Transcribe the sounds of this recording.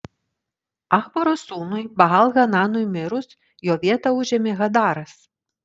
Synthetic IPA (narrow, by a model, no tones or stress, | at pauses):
ɑxbɐɾosuːnʊjbɐɣɑlˠɣɐnɑnʊjmʲɪɾʊs | joːʋʲiɛt̪ɐʊʒʲɛmʲeɣɐd̪ɑːɾɐs